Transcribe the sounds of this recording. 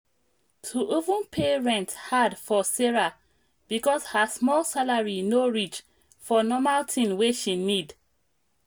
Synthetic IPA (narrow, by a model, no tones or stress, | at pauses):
tʰuʔivũnpʰeɹɛ̃nthadfɔsɛɹa | b̥ikɔshəsmɔlsalaɹinoɹit͡ʃ | fɔnɔmaltʰĩnweʃinid